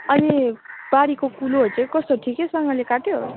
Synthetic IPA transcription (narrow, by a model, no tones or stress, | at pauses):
ʌnib̥aɽikokuloɦojt͡sʰʌ̃kʌst̪oʈʰikesʌŋɡʌ̃lekaʈjo